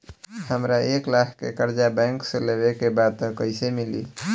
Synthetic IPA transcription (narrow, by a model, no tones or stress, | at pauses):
həmɾaeklakʰkḛkəɾd͡ʒabɛ̃ŋksẽlebekebad̪̚kəɪsemilḭ